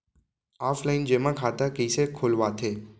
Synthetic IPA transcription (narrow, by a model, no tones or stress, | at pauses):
aːfʰlaɪnd͡ʒeːmãkʰaːt̪akəsekʰoːlʋat̪ʰeː